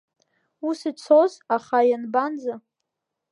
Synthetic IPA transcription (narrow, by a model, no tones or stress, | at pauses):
usit͡sʰozaχajanband͡za